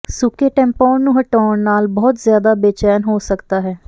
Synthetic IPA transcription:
sʊkeːʈɛ̃ːmpɔːnːũːɦəʈɔːɳnːaːlbɔːt̪zɪjaːd̪aːbeːt͡ʃɛːnɦoːsəkd̪aːɦɛː

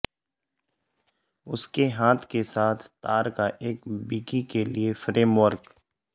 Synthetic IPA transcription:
ʊskeɦãːt̪ʰkesaːt̪ʰt̪aːɾkaʔeːkbiːkikeliefɾeːmʋəɾɡ

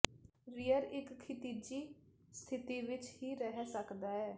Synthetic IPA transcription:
ɾijəɾɪkkʰːɪt̪iːd͡ʒiː | st̪ʰɪt̪iːʋɪt͡ʃhiːɾɛɦɛsəkd̪aːɛː

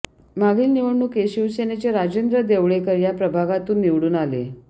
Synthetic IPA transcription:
maɡiːlniʋəɳɳukeɕiʋsenet͡ɕeɾad͡ʑend̪ɾəd̪eʋɭekəɾjapɾəbʱaɡat̪uːnːiʋɽuːnalḛ

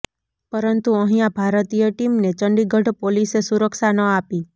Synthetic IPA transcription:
pəɾənt̪uəɦĩjãbʱaɾt̪ijəʈimnet͡ʃəɳɖiɡʱəɖpolisesuɾəkʃanəapi

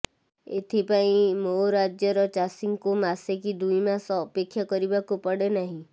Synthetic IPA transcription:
et̪ʰipaĩmoɾad͡ʒjɔɾɔt͡ʃasiŋkumasekid̪ujmasɔːpekʰːjakɔɾibakupɔɽenaɦĩ

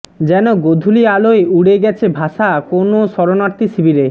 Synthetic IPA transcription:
d͡ʑɛnoɡod̪ʱulialoeuɽeɡɛt͡ɕʰebʱaʃakonoʃɔɾonaɾt̪isibiɾe

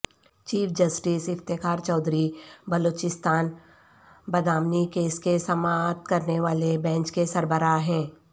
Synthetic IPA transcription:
t͡ʃiːfʰd͡ʒəsʈɪsɪft̪ekaːɾt͡ʃɔːd̪ʱɾibəloːt͡ʃɪst̪aːn | bɐd̪aːmnikeːskesɐmaːt̪kɐɾneʋaːlebɛ̃ːɲt͡ʃkesɐɾbəɾaɦɛ̃ː

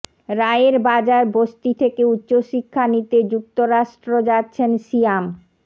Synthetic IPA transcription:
ɾaeeɾbad͡ʑaɾbost̪it̪ʰekeutːɕoʃikʰːanit̪ed͡ʑuk̚t̪oɾaʃʈɾod͡ʑatːɕʰenʃiam

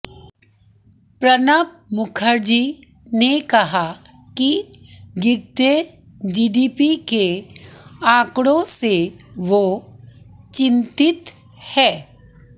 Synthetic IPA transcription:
pɾənap̚ | mʊkʰəɾd͡ʒiː | nekɐɦa | ki | ɡɪɾt̪e | d͡ʒiːɖiːpike | ãːkɽõse | ʋo | t͡ʃɪ̃nt̪ɪt̪ | hɛː

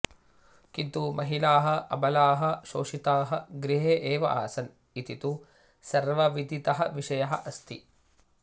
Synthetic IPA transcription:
kint̪umɐɦilaːɦɐɐbɐlaːɦɐʃoːʂit̪aːɦɐɡɾiɦeːʔeːʋɐ̰ʔa̰ːsɐn | it̪it̪u | sɐɾʋɐʋid̪ʱit̪ɐɦɐʋiʂɐjɐɦɐʔɐst̪i

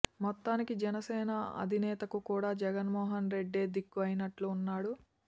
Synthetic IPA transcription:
mɔt̪ːaːnikid͡ʒɛnɐsɛːnɐɐ̰d̪ʱinɛːt̪ɐkukuːɽaːd͡ʒɛɡɐnmɔːɦɐnɾe̞ɖːe̞ːd̪ikːuɐjinɐʈluːnːaːɽu

